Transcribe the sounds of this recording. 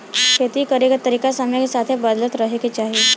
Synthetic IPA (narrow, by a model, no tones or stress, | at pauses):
kʰeːt̪ikəɾeket̪əɾiːkasamjakesaːt̪ʰebəd̪lət̪ɾɐɦeket͡ʃaːɦie